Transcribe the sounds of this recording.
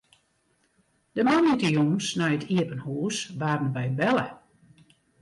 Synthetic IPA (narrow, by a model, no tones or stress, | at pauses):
d̥əmanitəjuŋsnɛjətʰiəpənhuːsʋaːrənbɛjbɛlə